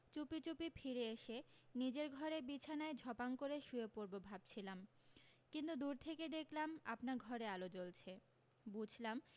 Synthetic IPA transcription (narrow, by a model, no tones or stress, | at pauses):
t͡ɕupit͡ɕupifʰiɾeeʃenid͡ʑeɾɡʱɔɾebit͡ɕʰanaed͡ʑʱɔpankoɾeʃuepoɾbobʱab̥̚t͡ɕʰilam | kint̪ud̪uɾt̪ʰeked̪eklama̰pnaɾɡʱɔɾealod͡ʑolt͡ɕʰe | bud͡ʑʱlam